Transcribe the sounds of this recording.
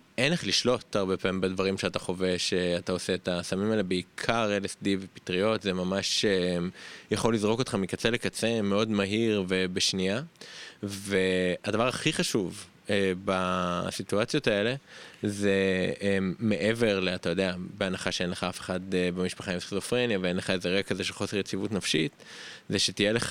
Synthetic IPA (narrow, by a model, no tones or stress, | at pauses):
enleχliʃlo̞t̪aʁbepaːimbedvaʁimʃeataχo̞veʃeatao̞se̞ːtasamimalebeikʰaʁelesdivepi̥t̪ʁio̞tzemamaʃe | jaχo̞lːizʁo̞kotχamikat͡selekat͡semeo̞dmaɦiʁve̞beʃnia | ve̞adavaʁaχiχaʃuv | ebasituat͡sjo̞tae̞le̞zeː | e̞ʔe̞ve̞ʁleat̪ajo̞deabeanaχaʃeenleχaafeχad̪bemiʃpaχaimsizofʁenjaveenleχaezeʁeɡakazeʃelχo̞seʁjet͡sivutnafʃitzeʃet̪ijeleχ